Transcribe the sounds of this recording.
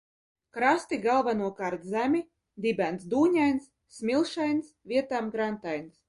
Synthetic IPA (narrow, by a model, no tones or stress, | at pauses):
kɾast̪iɡalˠvanuɔkaːɾt̪zʲæmʲi | d̪ibʲænsd̪uːɲʲajnsːmʲilˠʃajnsvʲiɛt̪aːmɡɾant̪ajns